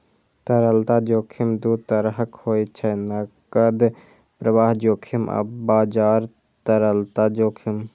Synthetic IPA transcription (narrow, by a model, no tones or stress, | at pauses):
t̪əɾəlt̪ad͡ʒoːkʰimd̪uːt̪əɾɦəkhoːjt͡ʃʰənɐkəd̪ | pɾəʋaːɦd͡ʒoːkʰimə̰bbaːd͡ʒaːɾ | t̪əɾəlt̪ad͡ʒoːkʰim